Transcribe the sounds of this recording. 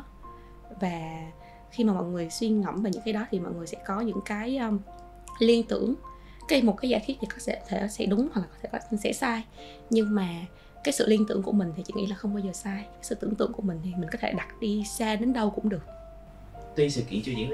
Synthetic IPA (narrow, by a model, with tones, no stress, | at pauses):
vaː˨˩ | xi˧maː˨˩mɔ̰˧˨jŋɨ˨˩əjswi˧ŋə̰˧˩mvaː˨˩ɲɨ̰˧˥ŋkaː˨˦jɗɔ˨˦t̪ʰi˨˩mɔ̰˧˨jŋɨ˨˩əjsɛ̰˧˥kɔ˨˦ɲɨ̰˧˥ŋkaː˨˦jʔː | li˧ənt̪ɨ̰˧˩˨əŋ | kaː˨˦jmo˨˩t̚kaː˨˦jzaː˧˩jt̪wi˦˥t̪̚ʰi˨˩kɔ˨˦sɛ̰˧˥˨t̪ʰe˧˩˨sɛ̰˧˥ɗʊ˨˦ŋ͡mhwa˨˩klaː˨˩kɔ˨˦t̪ʰe˧˩kɔ˨˦˧sɛ̰˧˥saː˧j | ɲɨ˧ŋmaː˨˩ | kaː˨˦jsɨ̰˧˨li˧ənt̪ɨ˧˩əŋku˧˩əmï˨˩ŋ̟t̪ʰi˨˩t͡ɕḭ˧˩ŋḭ˧˥laː˨˩xə˧wŋ͡mɓaː˧wzəː˨˩saː˧jka˨˦jsɨ̰˧˨t̪ɨ̰˧˩əŋt̪ɨ̰˧˩əŋku˧˩əmï̟˨˩t̪ʰi˨˩mi˨˩ŋ̟kɔ˨˦t̪ʰe˧˩ɗa˨˩t̚ɗi˧saː˧ɗe˨˦nɗə˧wkʊ̰˧˥ŋ͡mɗɨ˨˩ək̚ | t̪wi˧sɨ̰˧˨kḭ˧˩˨t͡ɕɔ˧zḭ˧˥ŋ